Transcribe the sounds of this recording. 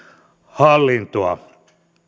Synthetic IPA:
hɑlːint̪oɑ̰

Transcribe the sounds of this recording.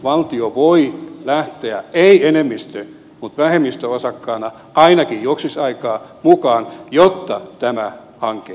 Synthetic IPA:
ʋɑlt̪ioʋoilæht̪eæeienemːist̪ø | mut̪ʋæhemːist̪øosɑkːɑːnɑ | ɑinɑkijjuoksisɑikɑːmukɑːnjot̪ːɑt̪æmæ | hɑŋke

